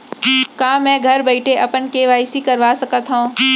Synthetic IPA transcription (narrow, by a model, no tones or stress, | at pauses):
kaːmɛ̃ːɡʱɐɾbɐɪʈʰeʔɐpənkeʋaːɪsikɐɾʋaːsɐkət̪ɦõː